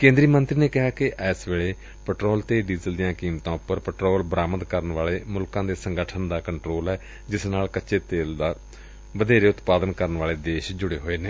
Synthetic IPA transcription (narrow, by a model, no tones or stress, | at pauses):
kẽːnd̪ɾiːmə̃nt̪ɾiːneːkɪɦaːkɪʔɛːsʋeːɭeː | pəʈɾoːlt̪eːɖiːzəld̪ijãːkiːmt̪ãːʊpːəɾpəʈɾoːlbəɾaːməd̪kəɾənʋaːleːmʊlkãːd̪eːsəŋɡəʈʰənd̪aːkəɳʈɾoːlɛː | d͡ʒɪsnaːlkətːʃeːt̪eːld̪aː | ʋəd̪eːɾeːʊt̪paːd̪ənkəɾənʋaːleːd̪eːʃd͡ʒʊɽḛːɦoːeːneː